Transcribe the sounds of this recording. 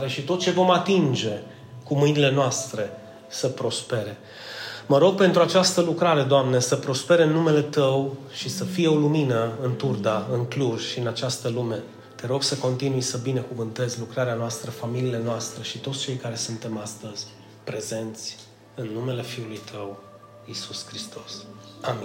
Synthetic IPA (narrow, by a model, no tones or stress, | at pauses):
ɾeʃit̪ot̪̚t͡ʃe̞vo̞mat̪ind͡ʒe̞ | kumɨjnile̞noast̪ɾe̞ | səpɾo̞spe̞ɾe̞ | məɾo̞ɡ̚pe̞nt̪ɾuat͡ʃast̪əlukɾaɾe̞d̪oamne̞səpɾo̞spe̞ɾeɨnːume̞le̞t̪əwʃisəfijeo̞luminəɨnt̪urd̪aɨŋkluʒʃiɨnat͡ʃast̪əlume̞ | t̪e̞ɾo̞ɡsəko̞nt̪inujsəbine̞kuvɨnt̪e̞zʲlukɾaɾeanoast̪ɾəfamiliːle̞noast̪ɾəʃit̪ot̪sʲt͡ʃe̞jkaɾe̞sunt̪e̞mast̪əzʲ | pɾe̞ze̞nt̪sʲ | ɨnːume̞le̞fiulujt̪ʰəw | isuskɾist̪ʰo̞sami